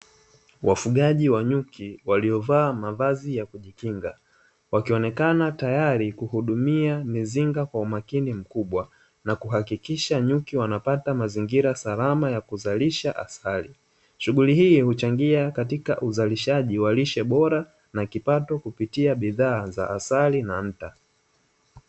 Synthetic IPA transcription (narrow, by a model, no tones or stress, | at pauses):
wʔa̰fuɠaʄiwaɲukʰiwaliɔvaːmavazijakuʄikiŋɡa | wakiɔnɛkanatajaɾikuhuɗumiamiziŋɡakwaumakinim̩kuɓwa | nakuɦakikiʃaɲukiwanapatamaziŋɡiɾasalamajakuzaliʃaʔa̰sali | ʃuɠulihiːhut͡ʃaŋɡiakatika̰ʔuzaliʃaʄiwaliʃɛɓɔɾa | nakipatɔkupitiaɓiðaːza̰ʔːsalinam̩ta